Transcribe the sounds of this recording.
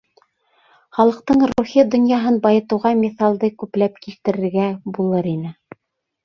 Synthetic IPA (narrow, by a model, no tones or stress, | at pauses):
χɑlˠɤ̆q̚t̪ɤɴɾuχid̪ŏnjɑɦɤnbɑjɤ̆t̪ɤ̆wʁɑmʲiθɑlˠd̪ɤkʉplæp̚kilt̪ɘ̆ɾɘ̆ɾɡæbulˠɤɾinɘ